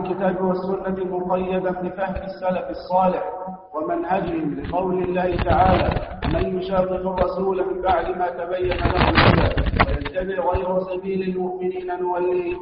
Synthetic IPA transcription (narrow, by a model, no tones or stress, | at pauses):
lkɪt̪aːbwasːʊnːamʊqɑjːad̪anbɪfahmɪsːalafɑsˤːɑːlɪħ | wamanhad͡ʒɪhɪmlɪqɑwlɪlːaːhɪt̪aʕaːlaːmanjʊʃaːqɪqɾˤɑsuːlanbaʕlɪmaːt̪abajːanalahʊlʔalafwajant̪abɪhɣajɾʊsabiːlalmʊʔmɪniːnanʊwalːiːh